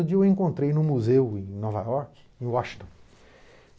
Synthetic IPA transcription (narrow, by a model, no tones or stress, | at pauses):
ʊd͡ʒiɐewẽŋkõnt̪ɾejnʊmuzewẽj̃nɔva̰jɔɾk | ẽwaʃĩt̪õ